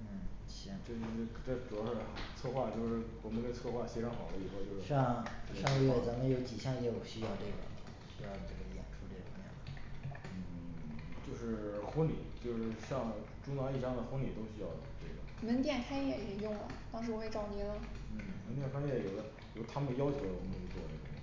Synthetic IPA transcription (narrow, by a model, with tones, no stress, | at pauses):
n̩˥˩˧ | ʈ͡ʂə˥˩˥ʈ͡ʂʈ͡ʂu˨˩jɑ˥ʊʂɻ̩˥˩t͡sʰɤ˥˧xwa˥˧t͡ɕjo˥˧ʊʂɻ̩˥˩ɔ˧˩mə˧˥nkə˧˥nt͡sʰɤ˥˧xwa˥˩ɕɛ˥ʈ͡ʂʰɑ˧˥ŋxɑ˨˩lə˦i˨˩xo˥˧ʊt͡ɕjo˥˧ʊʂɑ˥˧ŋʂŋ˥˩jɔ˨˩t͡sə˧˥mə˧njo˧˥ʊt͡ɕi˨˩ɕjɑ˥˧ŋjɛ˧˥˩jɔ˨˩ɕy˥jɑ˥˧ʊʈ͡ʂɤ˥˩ɡə̰˩ | ɕy˥jɑ˥˧ʈ͡ʂɤ˥˩ɡə˩jɛ̰˨˩nʈ͡ʂʰu˧˥ʈ͡ʂe˥˩ɡə˩a˧˥mjɛ̰˥˩ə˩ | n̩˥˩t͡ɕjo˥˧ʊʂɻ̩˥˩xə˥nli˨˩˦t͡ɕjo˥˧ʊʂɻ̩˥˧ɕjɑ˥˧ŋ | ʈ͡ʂu˥nɑ˧˥i˥˩ʈ͡ʂɑ˥ŋd̪ə˨xwə˥nli˨˩t̪o˥ʊɕy˥jɑ˥˩ʊj̰ʈ͡ʂe˥˩ɡə˩mə˧˥nt̪jɛ˥˩nkʰa˥ɪjɛ˥˧˩i˨˩t͡ɕi˥ŋjʊ˥˩ŋlə̰˩t̪ɑ˥ŋʂɻ̩˧˥wɔ˧˥xwe˥˧ɪʈ͡ʂɑ˥˧ʊnjɛ˥˩lə˨˩n̩˥˩mə˧˥nt̪̬jɛ˥˩nkʰa˥jɛ˥˩jo˨˩ʊd̪ə˦ | jo˨˩ʊt̪ʰa˥mə˨n˩jɑ˥ʊt͡ɕʰjo˧˥ʊə˧˩wɔ˨˧˩ə˧˥˧y˥t͡swɔ̰˥˧nə˥˩ə˨˩